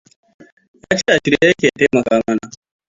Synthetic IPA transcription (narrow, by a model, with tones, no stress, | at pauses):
jaː˦t͡ʃeː˦ʔa˨ʃɪ˦ɾe˦jɐ˦kʲeː˨a˨ta˦mɐ˨kaː˦mɐ˦na˨